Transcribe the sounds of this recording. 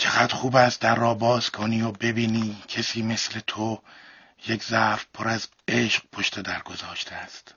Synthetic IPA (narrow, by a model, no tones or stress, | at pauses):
t͡ʃʰeɡæd̪xuːbæst̪̚d̪æɾːɒːbɒːskʰɒːniːjoːbe̞biːniːcʰesiːme̞sle̞t̪ʰo | jeczæɾfpʰoɾæz | eʃq̚pʰoʃt̪ʰe̞d̪æɾɡo̞zɒːʃt̪ʰeæst̪